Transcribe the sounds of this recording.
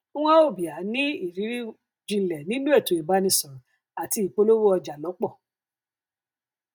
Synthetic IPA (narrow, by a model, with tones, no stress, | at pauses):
ã˦o˦˨bi˨a˨˦nĩ˨˦i˦˨ɾi˨˦ɾi˦ | d͡ʒĩ˧˦lɛ˨nĩ˨˦nũ˦e˦˨to˨i˨ba˧˦nĩ˧sɔ̃˨ | a˨ti˧i˨k͡po˧lo˦wo˦ɔ˧d͡ʒa˨lɔ˨˦k͡pɔ˦˨